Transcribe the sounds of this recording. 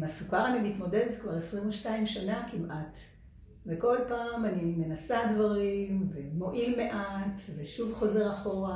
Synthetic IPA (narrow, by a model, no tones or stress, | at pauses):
masukaʁanimit̪mo̞de̞detkvaʁesʁimuʃtaimʃanakimʔat | veko̞lpaːmanine̞nasadvaʁimvemo̞ʔilme̞ʔat̪veʃuvχo̞ze̞ʁaχo̞ʁa